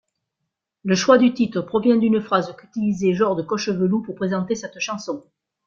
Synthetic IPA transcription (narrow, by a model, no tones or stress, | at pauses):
ləʃwad̪yt̪it̪χəpχɔvjɛ̃d̪ynəfχazəkyt̪ilizeʒɔʁd̪əkɔʃəvəlupuʁpχezɑ̃t̪esɛt̪ʃɑ̃sɔ̃